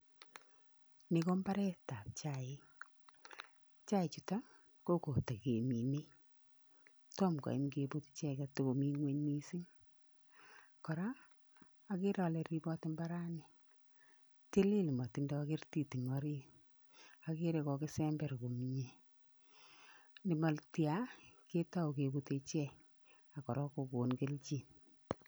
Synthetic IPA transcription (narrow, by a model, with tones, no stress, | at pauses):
ni˨ko˦mba˦ɾɛ˦ta˨p̚t͡ʃaɪ˦ | t͡ʃa˦ɪ˨t͡ʃu˨ta˦ | ko˦ko˨ta˨ke˨mi˨ne˦ | to˦mka̰˨i˦mke˨bo˦ti̥t͡ʃɛ˦kɛ˨to˨ko˨mi˦ŋwe˦ɲni˦si˦ŋ | kɔ˨ɾaː˦ | kɪ˦ɾɔ˨le˨ɾi˦bɔ˦tɪ˦mba˦ɾa˦ni˨ | te˦li˦lmɔ˨ti˦ndɔ˦akɪ˦rti˨ti˨ŋɔɾi˦ | a˨ke˦ɾe˧kɔ˧kɪ˦sɛmbɛ˨ɾko˨mi˨ɲe˨ | nɪ˨ma˨ltja˦ke˦ta˦o˨ke˨bu˦te˧t͡ʃɛ˦ | a˨kɔ˨ɾɔ˦ko˨ko˨nke˦lt͡ʃi˨n